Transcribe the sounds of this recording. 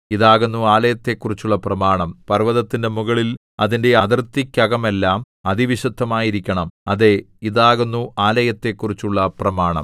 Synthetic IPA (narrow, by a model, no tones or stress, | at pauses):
iðaːɣunːuaːlɐjɐt̪ːe̞ːkːurit͡ɕːuɭːɐprɐmaːɳɐmpɐrʋɐðɐt̪ːinde̞muɣɐɭil | ɐðinde̞ɐðɐrt̪ːikʲːɐɣɐme̞lːaːm | ɐðiʋiɕɐd̪ʱːɐmaːjiɾikʲːɐɳɐmɐðe̞ | iðaːɣunːuaːlɐjɐt̪ːe̞kːurit͡ɕːuɭːɐprɐmaːɳɐ̰m